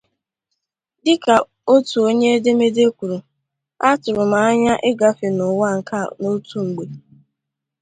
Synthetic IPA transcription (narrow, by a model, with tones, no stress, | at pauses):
dɪ˦ka˨ | o˦tu˨o˦ɲe˦e˦de˦me˦de˦kʷu˨ɾu˨ | a˦tʊ˨ɾʊ˨m̩a˨a˦ɲa˦ʔɪ˦ɡa˦fe˨nʊ˨wa˦˨ŋ̩˨ka˦˨no˦tu˦ŋ̩˨ɡ͡be˨